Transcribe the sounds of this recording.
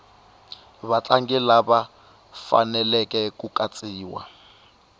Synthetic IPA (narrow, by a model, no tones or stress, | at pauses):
βat͡ɬʼaŋɡɛlaba | fa̰nɛlɛkɛkukʼat͡sʼiːwa̰